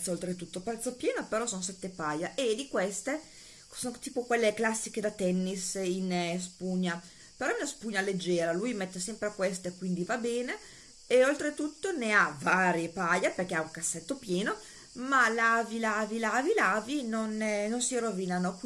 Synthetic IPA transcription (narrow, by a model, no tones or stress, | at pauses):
t̪soolt̪ɾet̪ut̪ːopɾɛt̪sːopjɛːnopeɾɔsonsɛt̪ːepajaʔed̪ikwest̪e | sont̪iːpokwelːeklasːiked̪at̪ɛnːisinspuɲːa | peɾɔɛunaspuɲːaled͡ʒːɛːɾalujmɛt̪ːesɛmpɾekwest̪ekwind̪ivabɛːne | eolt̪ɾet̪ut̪ːoneavaːɾjepajaperk̟eauŋkasːɛt̪ːopjɛːno | malavilavilavilavinonnonsirovinanok